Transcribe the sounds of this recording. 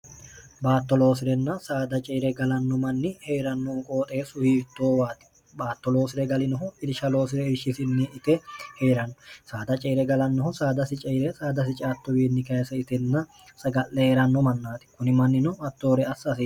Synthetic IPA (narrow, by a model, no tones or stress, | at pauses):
baːt̪ːɔlo̞ːsɪɾɛnːɐsaːd̪ɐt͡ʃʼɛːɾɛɡɐlɐnːɔmɐnːɪhe̞ːɾɐnːɔnkʼoːt̪ʼe̞ːsʊhiːt̪ːo̞ːwaːt̪ɪ̥ | baːt̪ːɔlo̞ːsɪɾɛɡɐlɪnɔɦʊɪɾʃɐlo̞ːs̬ɪɾɛɪɾʃɪsɪnːɪʔɪt̪ɛhe̞ːɾɐnːɔsaːd̪ɐt͡ʃʼɛːɾɛɡɐlɐnːɔhɔsaːd̪ɐsɪt͡ʃʼɛːɾɛsaːd̪ɐs̬ɪt͡ʃʼaːt̪ːɔwiːnːɪkɐjsɐɪt̪ɛnːɐ | sɐɡɐlːɛheːɾɐnːɔmɐnːaːt̪ɪ̥kʊnɪmɐnːɪnɔɐt̪ːo̞ːɾɛɐsːɐsi